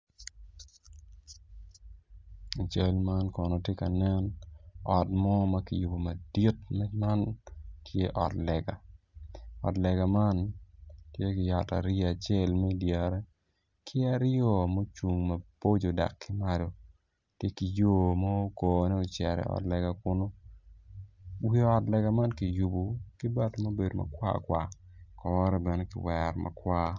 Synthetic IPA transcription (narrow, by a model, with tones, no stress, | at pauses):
a˨t͡ʃɐ˦lma˦nkɔ˨no˨tje˦ka˨nɛ˦nɔ˨tmɔ˦mɐ˦kḭ˨ju˨bo˨mɐ˨di˦tmɛ˦ma˦ntʰje˦ʔɔ˨tlɛ˨ɡa˨ | ɔ̰˨tlɛ˨ɡa˨ma˦ntje˦kɪ˨ja˨ta˨ɾa˨t͡ʃe˦˨lmɛ˦i˦dja˨ɾɛ˦ | kʰɪ˦a˦ɾjɔ˨mo˦t͡ʃu˨ŋmɐ˨po˦d͡ʒo˨da̰˨kːɪ˦ma˨do˨ | tje˦ki˨jo˦˨mɔ˦o˦ko˨nɛ˦o˨t͡ʃɛ˨ɾɛ̰˨ɔ̰˨tlɛ˨ɡa˨kʊ˦no˦ | wi˦ɔ˨tlɛ˨ɡa˨ma˦nkɪ˨ju˨bu˨kɪ˦ba˦tmo˦be˨do˨ma̰˨kwa̰˦kwa˨kɔː˦ɾɛ˦bɛ˨ne˦kɪ̰˨wɛɾma̰˨kwʷa˦